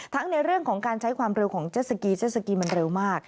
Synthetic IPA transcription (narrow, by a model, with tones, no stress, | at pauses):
t̪ʰa˦˥ŋna˧jɾɯ˥˩əŋkʰɔː˩˦ŋkaː˧nt͡ɕʰa˦˥jkʰwaː˧mɾe˧wkʰɔː˩˦ŋt͡ɕaː˥˩sa˧kiː˧t͡ɕʰeː˥˩sa˧kiː˧ma˧nɾe˧wmaː˥˩k̚